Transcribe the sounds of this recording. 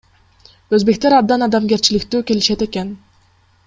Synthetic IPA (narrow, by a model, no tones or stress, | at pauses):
øzbe̞k̚t̪eɾɑb̚d̪ɑnɑd̪ɑmɡe̞ɾt͡ʃilɪkt̪yːke̞liʃe̞t̪e̞ken